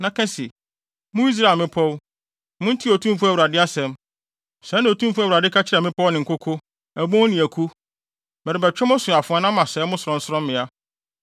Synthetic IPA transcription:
nã˨kʰɛ̃˦si˨ | mʊ̃˦i˦s̬ɾa˨mɪ̃˦pʰɔ˦w | mʊ̃˦n̩˦tʰi˦o˨tʰũ˦m˦fu˦æ˨u˨ɾa˨dɪ˦a˦sɛ̃˨m | sɛ˨˦nã˨o˨tʰũ˦mfũ˦æ˦˨wɾa˨dɪ˦kʰa˦t͡ɕʰɪ˦ɾɛ˨mɪ̃˦pʰɔ˦wnɪ̃˨ŋ̩˨kʰʊ˦kʰʊ˦ | æ˨bõ˦nɪ̃˨æ˨kʰu˦ | mɛ˨ɾɪ˨bɛ˨t͡ɕᶣɛ˦mʊ̃˦sʊ˨a˨fʊ˨˦a˦nã˦m˦mã˨sɛ˨˦mʊ̃˦sʊ˨ɾɔ̃˨n̩˨sʊ˦ɾɔ̃˦mː˦ɪ̃˨a˦

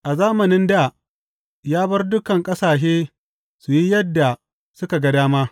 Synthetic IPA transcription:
ʔa˨zaː˦mɐ˨nɪ˦nda˦˨ | jaː˦bɐ˦rdʊ˦kɐ˨ŋkʼɐ˦saː˨ʃ̬eː˦ | su˨ji˦jɐ˦dːa˨ | sʊ˦ka˨ɡɐ˦daː˦maː˦

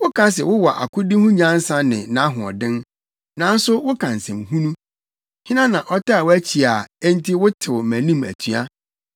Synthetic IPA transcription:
wʊ˦kʰã˦s̬ɛ˨wʊ˦wɔ˨ʔa̰˨kʊ˦dĩ˦hʊ̃˦ɲã˦n̩˦sã˦nɪ̰̃˨nã˦ɦʊ̃˨ɔ̰˨dɪ̃˦n | nã˨n̩˦sʊ˦wʊ˦kʰã˨n̩˨sɛ̃˨mhũ˦nũ˦ | hɪ̃˦nã˦nã˨ʔɔ˦ta˦a˨wʊ˦æ˦t͡ɕʰi˨a˨ɛ˦n˦tʰi˦wʊ˦tʰɪ˨wmæ̃˨nĩ˦˨mæ̰˨tʰɥa˦

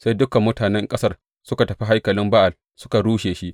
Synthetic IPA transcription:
sa˦jdʊ˦kɐ˨mːʊ˦taː˨nɛ˦ŋkʼɐ˦sɐ˦r | sʊ˦ka˨tɐ˨ɸi˦ɦa˦jkɐ˨lɪ˦mba˦ʔa˨ | sʊ˦ka˨ɽuː˦ʃeː˨ʃi˦ʔ

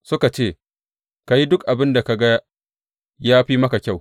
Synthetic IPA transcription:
sʊ˦ka˨t͡ʃeː˦˨ | ka˨ji˦dʊ˦k̚ʔa˨bɪ˦nda˨ka˨ɡa˦ | jaː˦ɸiː˦mɐ˦ka˨kʲa˦˨w

